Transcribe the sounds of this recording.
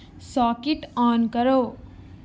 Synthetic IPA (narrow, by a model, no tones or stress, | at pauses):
sɔkeʈɔnkʌɾo